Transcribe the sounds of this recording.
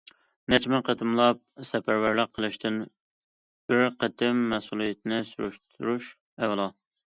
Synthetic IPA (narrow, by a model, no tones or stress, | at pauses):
nɛt͡ʃmɪqʰət̪ʰɨmlˠɑp̚sɛpæɾwæɾlɨqʰːəlˠɨʃt̪ʰɨn | b̥ɪɾqət̪ʰɪmːɛsulˠijet̪̚ʰnɪsṵɾṵʃt̪ʰuɾuʃ | ɛwlˠɑ